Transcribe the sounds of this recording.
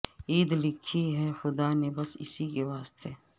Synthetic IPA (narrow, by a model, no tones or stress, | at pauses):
iːd̪lɪkʰːiɦɛxʊd̪aːnebɐsɪ̰sikeʋaːst̪eː